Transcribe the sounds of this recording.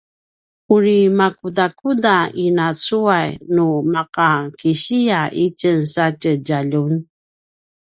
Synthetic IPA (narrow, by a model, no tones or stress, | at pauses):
uɾimakudakudainat͡suajnumaqakiɕiaʔicənsacəɟaʎun